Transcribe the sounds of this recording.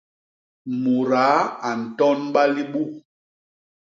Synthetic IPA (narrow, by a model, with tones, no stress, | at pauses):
mu˨ɾa˨˦a˨n̩˨tɔ˦nɓa˦li˦ɓu˦˨